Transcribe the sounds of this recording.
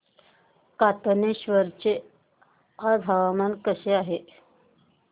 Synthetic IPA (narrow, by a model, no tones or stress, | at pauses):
kat̪əneɕʋəɾt͡ɕe | ad̪ʱaʋamankəɕeaɦe